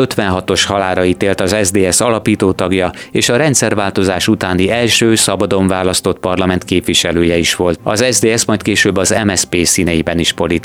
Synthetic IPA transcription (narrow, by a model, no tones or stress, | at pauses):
øt̪ʋɛnɦɒt̪o̞ʃhɒlaːɾɒiːt̪eːlt̪ɒzɛzd̪eːɛsɒlɒpiːt̪oːt̪ɒɡjɒeːʃɒɾɛnt̪sɛrvaːlt̪o̞zaːʃut̪aːniɛlʃøːsɒbɒd̪o̞ɱvaːlɒst̪o̞t̪̚pɒrlɒmɛnt̪keːpʋiʃɛløːjɛiʃʋo̞lt̪ɒ̰zɛzd̪eːɛsmɒjt̪keːʃøbːɒzɛmɛspeːsiːnɛjibɛniʃpo̞lit̪